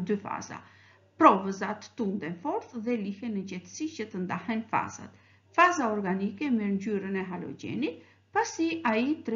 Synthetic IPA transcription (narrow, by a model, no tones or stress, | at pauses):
d̪yfa̰za̰ | pɾɔvəzat̪ə̥t̪und̪ɛnfɔɾθðɛlihɛnəd͡ʑɛt̪ə̥sit͡ɕət̪ənd̪ahɛnfa̰z̥a̰t̪ | fazaɔɾɡanikɛmɛɾɲd͡ʑyɾənɛɦalɔ̰ɟɛ̰nit̪̚ | pasiait̪